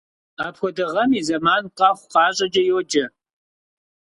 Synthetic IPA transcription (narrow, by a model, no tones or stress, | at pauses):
aːpxʷɔdɐʁɐmiːzɐmaːnqɑχʷqɑːɕʼɐd͡ʒɐjoːd͡ʒɐ